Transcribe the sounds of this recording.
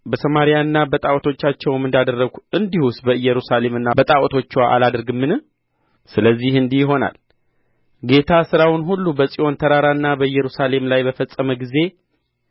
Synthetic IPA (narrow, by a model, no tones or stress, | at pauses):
bəsəmaɾijaɨnːabət̪ʼawɔt̪ʰo̞t͡ʃːat͡ʃːɛwɛmɨnd̪ad̪ərːəɡuɨnd̪ihusbəɨjːɛɾusale̞mɨnːabət̪ʼawt̪ʰo̞t͡ʃːwaʔa̰lad̪əɾɡɨmːɨn | sɨləzːihɨnd̪ihɦo̞na̰l | ɡe̞t̪ʰasɨɾawɪnɦulːubəsʼiʔo̞nt̪ʰəɾaɾaɨnːabəɨjːɛɾusale̞mlajbəfəsʼəməɡize̞